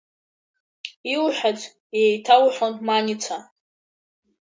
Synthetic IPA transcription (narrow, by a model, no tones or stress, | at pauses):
iwuħʷᶣad͡z | jejtʰawħʷᶣonmanit͡sʰa